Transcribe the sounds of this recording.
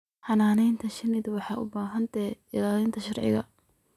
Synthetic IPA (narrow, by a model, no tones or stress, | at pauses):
ħɑnaːnɛjnt̪ʰɐʃɐnɪd̪wɑħɑːʊbaːɦɐnt̪ʰɛɪlaːlɪnt̪ʰɐʃɑrʕɪ̰ɣɐ̰